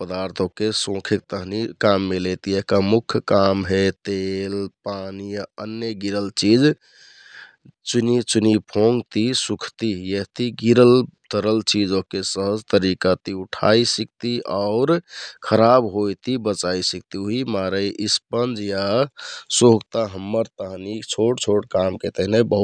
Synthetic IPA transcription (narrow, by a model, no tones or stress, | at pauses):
pəd̪aɾt̪ʰokesõkʰek̚t̪əɦnikamːelet̪ieɦkamukʰkamɦet̪elpanijaənjəɡiɾəlt͡ʃid͡ʒ | t͡ʃunit͡ʃunipʰoŋɡt̪isukʰt̪ijəɦt̪iɡiɾəlt̪əɾəlt͡ʃid͡ʒokesəɦəd͡ʒt̪əɾikat̪iuʈʰa̰isik̚t̪iaʊɾkʰəɾabɦojt̪ibət͡ʃaisik̚t̪ioɦimaɾəjʔispənd͡ʒja | soɡt̪aɦəmːəɾt̪əɦnit͡ʃʰoʈt͡ʃʰoʈkamket̪əɦnebəɦu